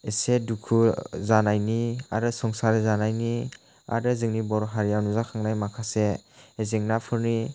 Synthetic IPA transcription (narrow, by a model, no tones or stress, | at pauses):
esedukʰuzanajnia̰ɾɯsɔŋsaɾizanajni | a̰ɾɯzɯŋnibɔɾɦaɾijawnuzakʰaŋnajmakʰaseezeŋnapʰɯɾni